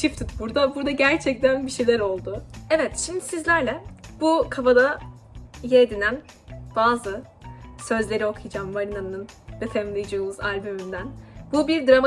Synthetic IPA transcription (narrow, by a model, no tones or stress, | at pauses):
t͡ʃʰift̪ʰɯt̪buɾd̪abuɾd̪aɟæɾt͡ʃʰɛc̚t̪ʰænbiʃejlʲæɾo̞lˠd̪ʊɛvɛt̪ʃimd̪isizlʲæɾlʲɛb̥ukʰafad̪a | jed̪inæn | b̥aːzɯ | sø̞zlʲe̞ɾio̞kʰɯjd͡ʒaːmvaɾinanɯnɯnvet̪ʰɛmlˠijd͡ʒɯːmuzalʲbymynd̪ænbubiɾd̪ɾama